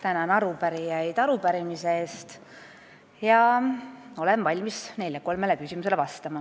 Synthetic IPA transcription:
t̪ænɑnɑɾupæɾijɑjd̪̥ɑɾupæɾimiseeːst̪ | jɑ | o̞le̞nvɑlʲmisne̞jlʲjɑko̞lme̞lekysʲimuse̞le̞vɑst̪ɑmɑ

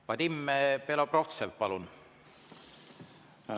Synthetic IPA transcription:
vɑt̪imːepeloprot̪sevpɑlun

